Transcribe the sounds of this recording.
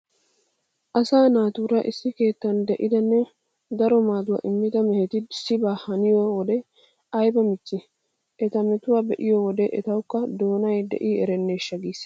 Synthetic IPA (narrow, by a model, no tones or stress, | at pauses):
ʔɐsaːnaːt̪uːɾɐʔɪsːɪke̞ːt̪ːɐnd̪ɛʔɪd̪ɐnːɛ | d̪ɐɾɔmaːd̪ʊwa̰ʔɪmːɪd̪ɐmɛhɛt̪ɪsɪbaːhɐnɪjɔwɔd̪ɛ | ɐjbɐmɪt͡ʃːɪ | ʔɛt̪ɐmɛt̪ʊwabɛʔɪjɔwɔd̪ɛʔɛt̪ɐwkːɐd̪o̞ːnɐjd̪ɛ̰ʔiːɛɾɛnːeːʃːɐɡiːs